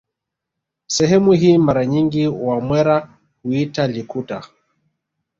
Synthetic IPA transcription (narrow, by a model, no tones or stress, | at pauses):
sɛɦɛmuɦiːmaɾaɲiŋɡiwamwɛɾa | huitalikuta